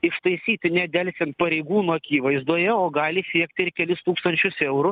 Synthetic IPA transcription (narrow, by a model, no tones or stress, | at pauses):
ɪʃt̪ɐɪsʲiːt̪ʲɪnʲɛd̪ʲɛlʲsʲɛnt̪̚pɐɾʲɛɪɡuːnuɐkʲiːʋɐɪzd̪uɔjɛoːɡɑːlʲɪsʲiɛkt̪ʲɪɪɾkʲɛlʲɪst̪uːkst̪ɐnʲt͡ʃʲʊsɛʊɾʊ